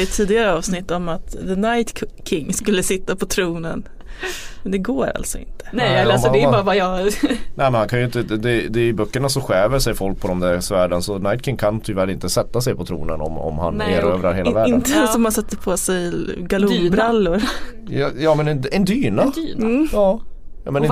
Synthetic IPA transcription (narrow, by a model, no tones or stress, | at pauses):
ət̪ʰːiːd̪ɪɡaɾəɑːvsnɪt̪ːɔmat̪d̪ənajt̪kʰɪŋːskɵlːəsɪt̪ːapʰɔt̪ʰɾuːnən | mɛnd̪ɛɡoːɾa̰lt̪sɔɪ̰nt̪ʰə̥nɛɛlːɛbɑːɾvajɑnɛɪmɛnhankʰanjʏɪnt̪əd̪ɛd̪ɛɪbœkːəɳasɔɧɛːvəʂɛjfɔlk̚pʰɔd̪ɔmd̪æsvæːɖənsɔnajt̪̚kʰɪŋːkʰant̪ʰyːvæːɾɪnt̪əsɛt̪ːasɛjpʰɔt̪ʰɾṵːnənɔ̰mɔ̰mha̰neːɾøːvɾaɾheːlavæːɖɪnənsɔmansɛt̪ːəpʰosɛjɡalubɾalːʊɾ | jɑːmɛnɛɛnd̪yːnanɑː | mɛnɪ